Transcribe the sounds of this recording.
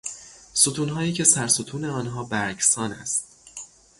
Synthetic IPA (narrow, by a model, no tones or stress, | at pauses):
sot̪ʰuːnɦɒːjiːcʰe̞sæɾsot̪ʰuːne̞ɒːnɦɒːbæɾcsɒːnæ̰st̪